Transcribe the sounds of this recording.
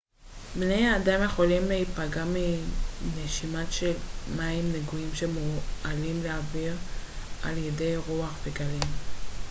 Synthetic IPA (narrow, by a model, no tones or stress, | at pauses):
bnejaːdamje̞χo̞limlehipaɡamineʃimaʃelmaimneɡuimʃe̞mualimleaviʁ | alje̞de̞jʁuaχveɡalim